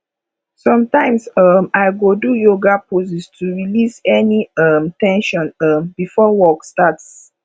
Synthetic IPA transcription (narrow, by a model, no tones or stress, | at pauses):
sɔ̃mtãɪ̃msʌmaɪɡodujoɡapos̬istʰuɹilisɛniʌmtɛ̃nʃɔ̃nʌmbifɔwɔkstats